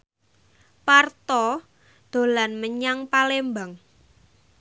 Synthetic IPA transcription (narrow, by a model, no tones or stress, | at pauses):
part̪ɔ | d̪̥o̤lanməɲaŋpalembaŋ